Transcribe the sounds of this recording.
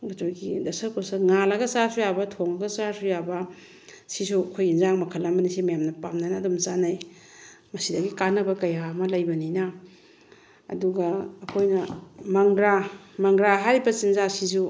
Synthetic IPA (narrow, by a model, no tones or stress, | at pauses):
ɡɐtojɡidɐsɐɾkosɐŋalɐɡɐsasujabɐtʰoŋɐɡɐsaɾsujabɐ | sisuɐkʰojɡinzaŋmɐkʰɐlamɐnisimɐjamnɐpamnanaːdomt͡ʃanaj | mɐsidɐɡikanːɐbɐkɐjamɐlɐjbɐnina | duɡɐːkʰojnɐmɐŋɡɾamɐŋɡɾaɦaɾibɐsinzasizu